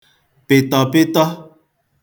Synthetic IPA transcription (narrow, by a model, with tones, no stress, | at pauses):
pe˨t̪ɔ˨pe˦t̪ɔ˦